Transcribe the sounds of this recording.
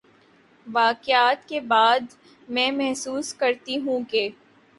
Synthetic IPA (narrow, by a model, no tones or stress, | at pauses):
ʋaːqjaːt̪kebaːd̪ | mɛ̃ːmɛɦsuːskɐɾt̪iɦũkeː